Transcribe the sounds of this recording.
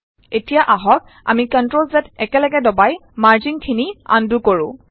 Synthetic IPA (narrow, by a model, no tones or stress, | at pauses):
etijaʔaɦɔk̚ | a̰mikɔntɹolzɛtɛkɛlɛɡɛdɔbajmaɹziŋkʰinia̰ndukoɹʊ̰̃